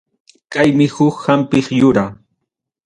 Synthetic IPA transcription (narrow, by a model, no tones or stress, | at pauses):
kajmɪhʊkhampɪχjʊɾa